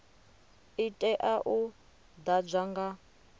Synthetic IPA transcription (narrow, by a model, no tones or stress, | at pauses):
itʼɛʔaʔu | d̪ab͡ʐʷaŋɡa